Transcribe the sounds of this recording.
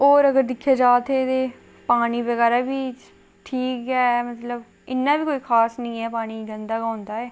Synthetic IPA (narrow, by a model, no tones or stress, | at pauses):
oːɾəɡəɾd̪ɪkʰːjaːd͡ʒaːt̪eːt̪eː | paːñiːbəɡɛːɾaːbiː | ʈʰiːkɦɛːmət̪ləb | ɪnːaːbiːkoːiːkʰaːsnĩːɛːpaːɽ̃iːɡənd̪aːɡaːnd̪aːɛː